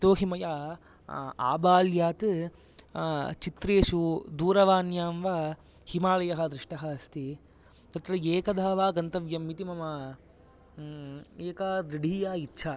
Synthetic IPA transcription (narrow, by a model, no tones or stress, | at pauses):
t̪oːɦimɐjaː | a̰ːbaːljaːt̪ɨ | t͡ʃit̪ɾeːʂud̪uːɾɐʋaːnjaːmʋaː | himaːlɐjɐɦɐd̪ɾiʂʈɐɦaːɐst̪i | t̪ɐt̪ɾɐeːkɐd̪ʱaːʋaːɡɐnt̪ɐʋjɐmːit̪imɐmɐ | eːkaːd̪ɾiɖʱiːjaːitːʃʰaː